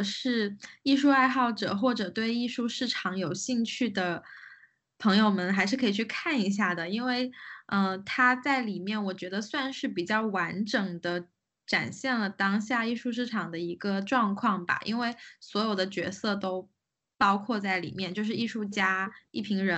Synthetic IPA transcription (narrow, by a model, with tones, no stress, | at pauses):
ʂɻ̩˥˧i˥˧ʂu˥˧a˥˧ɪxɑ˥˩ʊʈ͡ʂɤ̰˨˩xwɔ˥˩ʈ͡ʂɤ˨˩t̪we˥˧ɪi˥˧ʂu˥˧ʂɻ̩˥˩ʈ͡ʂʰɑ˧˥ŋjo˨˩ʊɕi˥˧ŋt͡ɕʰy˥˩d̪ə˩ | pʰɤ˧˥ŋjo˧ʊmə˨nxa˧˥ɪʂɻ̩˥˩kʰɤ˧˥i˨˩t͡ɕʰy˥˧kʰa˥˩ni˧˥ɕ̬ja˥˩d̪ə˩i˥nwe˥˩ɪə˧t̪ʰa˥t͡sa˥˩ɪli˨˩mjɛ˥˩nwɔ˨˩t͡ɕɥɛ˧˥d̪ə˧swa˥˧nʂɻ̩˥˩pi˨˩t͡ɕjɑ˥˩ʊwa˧˥nʈ͡ʂɤ˨˩ŋd̪ə˦ | ʈ͡ʂa̰˨˩nɕjɛ˥˩nlə˩t̪ɑ˥ŋɕja˥˧i˥˧ʂu˥˧ʂ̬ɻ̩˥˩ʈ͡ʂʰɑ˨˩ŋd̪ə˦i˧˥ɡə˧ʈ͡ʂwɑ˥˧ŋkʰwɑ˥˩ŋba̰˩ʔḭ˥nwe˥˩ɪswɔ˧˥jo˨˩ʊd̪ə˦t͡ɕɥɛ̰˧˥sɤ˥˧t̪o˥ʊ | pɑ˥ʊkʰwɔ˥˧t͡sa˥˩ɪlḭ˨˩mjɛ˥˧nt͡ɕjo˥˧ʊʂɻ̩˥˧i˥˧ʂu˥˩t͡ɕja˥i˥˩pʰi˧˥ŋɻə˧˦˥